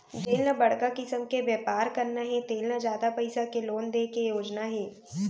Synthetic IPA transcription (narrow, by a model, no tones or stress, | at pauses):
d͡ʒ̪eːlnabɐɽkakɪsəmkebjɛːpaːɾkɐɾnaɦɛt̪eːlnad͡ʒjaːd̪apɐɪsakeloːnd̪eːkejoːd͡ʒnaɦɛː